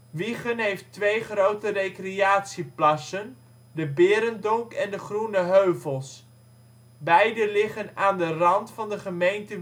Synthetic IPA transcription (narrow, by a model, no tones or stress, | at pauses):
ʋiχənɦejftʋejχrowtərejkriaːtsiplɑsən | dəbɪːɾəndʊŋkɛndəχrunəɦøɥvəlˠs | bɛjdəlɪχənaːndərɑntfɑndəχəmejntə